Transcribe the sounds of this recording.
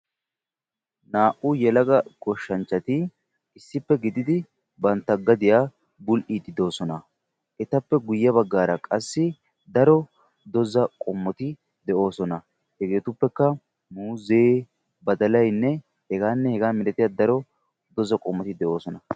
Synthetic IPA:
naːʔʊjɛlɐɡɐɡ̥ɔʃːɐnt͡ʃːɐt̪ɪ | ɪsːɪpːɛɡɪd̪ɪd̪ɪ | bɐnt̪ːɐɡːɐd̪ɪjaː | bʊlʔid̪ɪd̪o̞ːsɔnɐ | ʔɛt̪ɐpːɛɡʊjːɐbɐɡːaːɾɐkʼɐsːɪ | d̪ɐɾɔ | d̪ɔzɐkʼɔmːɔt̪ɪ | d̪ɛʔo̞ːsɔnɐ | hɛɡe̞ːt̪ʊpːɛkːɐ | muːzeː | bɐd̪ɐlɐjnːɛ | hɛɡaːnːɛhɛɡaːmɪɾɛt̪ɪjaːd̪ɐɾɔ | d̪ɔzɐkʼɔmːɔt̪ɪd̪ɛʔo̞ːsɔnɐ

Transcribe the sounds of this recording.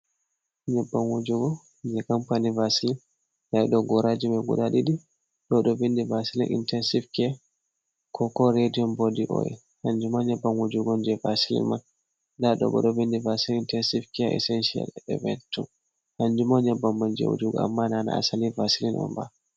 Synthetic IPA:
ɲɛbːanwod͡ʒuɡɔ | d͡ʒɛkampanivasilin | dajɗɔɡɔɾad͡ʒimaɡṵɗaɗiɗi | ɗɔɗɔvindivasilḭnʔḭntɛnsifkɛ | kʰɔkɔɾediɔnbodiʔɔ̰jɛ̰ | haɲd͡ʒumaɲɛbːanwod͡ʒuɡɔnd͡ʒɛvasilḭnman | daɗɔ̰bɔ̰ɗɔvindivasiliintɛnsivkɛʔɛ̰sɛnʃia̰lɛ̰vɛntu | haɲd͡ʒumaɲɛbːammand͡ʒɛ̰wo̰d͡ʒuɡɔ̰a̰mːanana̰a̰salivasilinʔɔ̰mba̰

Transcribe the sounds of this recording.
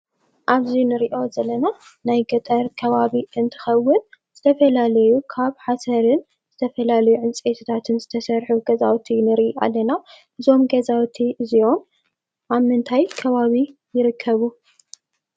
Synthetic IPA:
ʔaβzinɨɾiʔo̞zɐlɐna | najɡɐt̪ʼɐɾkʰɐβaβiʔɨnt̪ʰɨ̥xɐwːɨnz̥ɨt̪ʰɐfɐlalɐjukʰaβħasɐɾɨn | z̥ɨt̪ʰɐfɐlalɐjuʕɨnt͡sʼet̪ʰut̪ʰat̪ʰɨnzɨt̪ʰɐsɐɾħuɡɐzawt̪ʰinɨɾʔiʔa̰lːɐna | ʔɨzo̞mɡɐzawt̪ʰiʔɨzio̞m | ʔaβmɨnt̪ʰajkʰɐβaβi | jɪɾɨkʰːɐβu

